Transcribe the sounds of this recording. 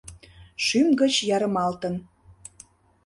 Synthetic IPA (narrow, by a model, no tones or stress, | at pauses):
ʃymɡət͡ɕjɑɾəmɑlt̪ə̆n